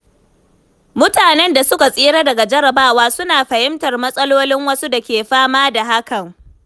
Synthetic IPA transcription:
mʊ˦taː˨nɛ˦nda˨sʊ˦ka˨sʼiː˦ɽaː˦dɐ˨ɡa˨d͡ʒɐ˦ɾɐ˨baː˦waː˦sʊ˦naː˨ɸɐ˨hɪ˦mtɐ˨rmɐ˦sʼɐ˦loː˦lɪ˦ŋwɐ˦su˦da˨kʲeː˨ɸaː˦maː˦da˨ɦa˦kɐ˨ŋ

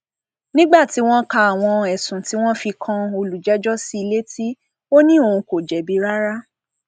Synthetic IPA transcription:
nĩ˦ɡ͡ba˦˨ti˨˦w̃ɔ̃˦ka˧a˨w̃ɔ̃˧ɛ˨sũ˨ti˨˦w̃ɔ̃˦fi˧kʰã˧o˧lu˨d͡ʒɛ˨˦d͡ʒɔ˦si˧i˧le˦ti˦ | o˦nĩ˦o˦˧˨ũ˧ko˨d͡ʒɛ˨bi˨˦ɾa˦ɾa˦

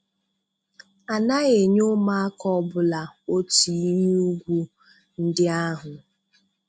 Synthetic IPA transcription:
a˨na˦ɣe˨ɲo˦ma˦a˦kɔ˦bʊ˨la˨o˦ti˨˦ɲ˦u˦ɡʷu˦ | n̩˦dɪ˦a˦ɦʊ˨

